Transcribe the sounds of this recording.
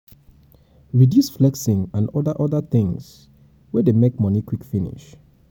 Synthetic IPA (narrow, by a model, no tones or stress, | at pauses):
ɹidjusflɛksɪ̃ŋãnɔdəʔɔðəθɪ̃ŋs | wɛdemekmɔ̃nikʰwikfĩnḭʃ